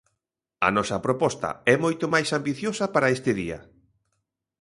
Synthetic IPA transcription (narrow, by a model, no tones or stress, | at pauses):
ɐ̰nɔsɐpɾopɔst̪ɐ̰ɛmojt̪ʊmajsambiθjosɐpaɾɐest̪ɪðiɐ̰